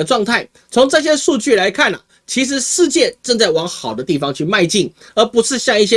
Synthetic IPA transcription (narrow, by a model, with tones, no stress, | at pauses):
ə˩ʈ͡ʂwɑ˥˧ŋt̪ʰa˥˩ɪ | t͡sʰo˧˥ŋʈ͡ʂɤ˥˧ɕ̬jɛ˥ʂu˥˧t͡ɕy˥˩la˧˦˥ɪkʰa˥˩nə̰˩ | t͡ɕʰi˧˥ʂ̬ɻ̩˧˥ʂɻ̩˥˧t͡ɕjɛ˥˧ʈ͡ʂɤ˥˧ŋt͡sa˥˩ɪwɑ˧˥ŋxɑ˨˩ʊd̪ə˦t̪i˥˩fɑ˦ŋt͡ɕʰy˥˧ma˥˧ɪt͡ɕi˥˩ŋ | ə˞˨˧˥pu˧˥ʂɻ̩˥˧ɕjɑ˥˧ŋi˥˩ɕ̬jɛ˥